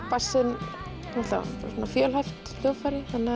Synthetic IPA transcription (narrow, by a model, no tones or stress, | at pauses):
pasːɪn | nuɛt̪la̰sɔnːafjœːlhajft̪l̥jowfajɾɪθanːa